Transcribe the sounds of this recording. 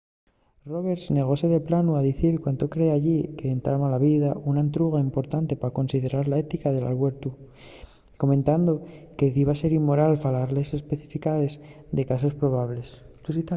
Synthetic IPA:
ro̞β̞e̞ɾsne̞ɣ̞o̞se̞ðe̞planuaðiθiɾkwant̪o̞kɾe̞aʎike̞ːnt̪ɾamalaβiðaunaent̪ɾuɣ̞aimpo̞ɾt̪ant̪e̞pako̞nsið̞e̞ɾaɾlae̞t̪ikaðe̞la̰lɣwe̞ɾt̪u | ko̞mẽnt̪and̪o̞ke̞iβase̞ɾimmːo̞ɾalfalaɾlese̞spe̞θifikað̞e̞zd̪e̞kaso̞spɾo̞β̞aβle̞st̪uit̪a

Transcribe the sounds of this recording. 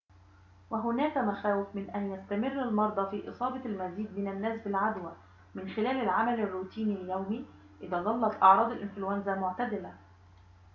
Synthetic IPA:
wæɦʊnæːkæmæxæːwɪfmɪnʔænjæst̪æmɪrːalmɑɾˤd̪ˤɑfiːʔɨsˤɑːbɑlmæziːd̪mɪnanːæːsbɪlʕad̪wæ | mɪnxɪlæːlɪlʕamælarːuːt̪iːniljawmiː | ʔɪðæːd̪ˤɑlːɑt̪ˤʔɑʕɾˤɑːd̪ˤɪlʔɪnflʊwænzamʊʕt̪ad̪ɪlæ

